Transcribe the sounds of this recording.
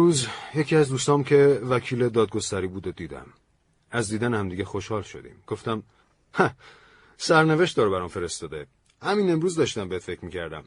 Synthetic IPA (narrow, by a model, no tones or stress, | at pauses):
ɾuːzje̞cʰiæzd̪uːst̪ɒːmcʰe̞væcʰiːle̞d̪ɒːd̪̚ɡo̞st̪æɾiːbuːd̪od̪iːd̪æ̰m | æzd̪iːd̪ænehæmd̪iːɟexo̞ʃhɒːlʃo̞̰d̪ḭːmɡ̥o̞ft̪æm | hæ | sæɾne̞ve̞ʃt̪d̪ɒːɾobæɾɒːmfe̞ɾest̪ɒːd̪e | hæmiːne̞mɾuːzd̪ɒːʃt̪æmbe̞het̪fe̞cʰɾmiːcʰæɾd̪æ̰m